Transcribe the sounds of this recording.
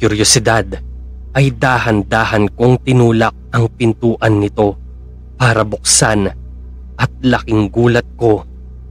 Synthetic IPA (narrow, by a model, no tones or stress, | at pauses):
ʊɾjosɪd̪ad̪ | ʔɐjd̪aːhɐnd̪aːhɐnko̞ŋt̪ɪnuːlɐk̚ɐŋpɪnt̪uːʔɐnːɪt̪o̞ | paːɾɐbʊk̚san | ʔɐt̪̚lɐkɪŋɡuːlɐt̪̚ko̞